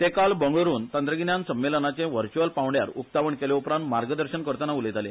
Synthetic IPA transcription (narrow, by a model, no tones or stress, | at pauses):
t̪ekalbəŋɡɭəɾuːnt̪ə̃nt̪ɾəɡinjansəmːelənat͡ɕẽʋəɾt͡ɕuəlpãwɳɖjaɾuk̚t̪aʋəɳkeleupɾãnt̪maɾɡəd̪əɾɕənkəɾt̪anaulet̪ale